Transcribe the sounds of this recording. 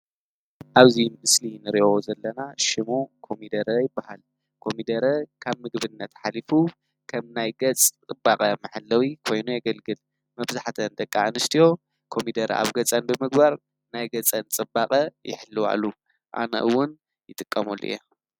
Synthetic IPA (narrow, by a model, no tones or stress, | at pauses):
ʔaβzimɨslinɨɾiʔozɐlːɐnaʃimokʰo̞mid̪ɐɾɐjɪbːahal | kʰo̞mid̪ɐɾɐkʰaβmɨɡβɨnːɐt̪ħalifu | kʰɐmnajɡɐt͡sʼt͡sʼɨbːakʼɐmɨħɨlːɐwikʰo̞jnujɐɡɐlɡɨl | mɐβzaħt̪ʰɐnd̪ɐkʼːanɨst̪ʰijo̞ | kʰo̞mid̪ɐɾɐ̰ʔa̰βɡɐt͡sʼɐnbɨmɨɡbaɾ | najɡɐt͡sʼɐnt͡sʼɨbːakʼɐjɪ̰ħlːɨwa̰lu | ʔa̰nɐ̰ʔɨwʊn | jɪt̪ʼɨkʼːɐmul̰ːja